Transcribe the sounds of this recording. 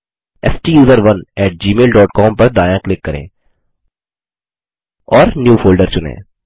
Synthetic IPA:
ɛsʈijuːzəɾʋɐnɛːʈ̚d͡ʒiːmeːlɖɔːʈkɔːmpɐɾɖaːjãːklɪkːɐɾḛ̃ː | ɔːɾnjuːfoːlɖəɾt͡ʃʊnḛ̃ː

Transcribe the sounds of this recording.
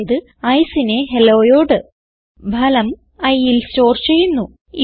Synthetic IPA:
iðɨ | ɐjsine̞ɦelo̞ːjo̞ːɖɨ | bʱɐlɐm | ɐjːilso̞ːrt͡ɕe̞jːunːu | i

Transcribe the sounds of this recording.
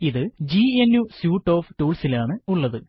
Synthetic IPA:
iðɨd͡ʑienjusjuːʈːo̞ːftuːɭsilaːɳɨuɭːɐðɨ

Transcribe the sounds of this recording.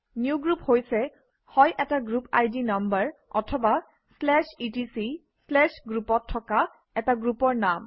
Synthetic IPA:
niuɡɹuphojsɛ | hɔjʔɛtaɡɹupa̰jdinambəɹɔ̰tʰɔba | slɛʃitisi | slɛʃɡɹupɔtʰːɔka | ɛtaɡɹupɔɹnam

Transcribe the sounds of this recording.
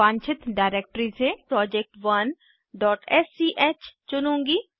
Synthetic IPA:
ãːɲt͡ʃʰɪt̪ɖaːɪɾeːk̚ʈəɾisepɾɔːd͡ʒɛk̚ʈʋɐn | ɖɔːʈɛːsiʔeːt͡ʃt͡ʃʊnõːŋɡiː

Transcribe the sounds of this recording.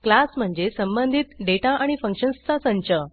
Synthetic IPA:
klasm̤əɳd͡zesəmbənd̪ʱit̪ɖeʈaʔaɽ̃ifəŋkʂənst̪ʰasə̃ɲt͡ɕə

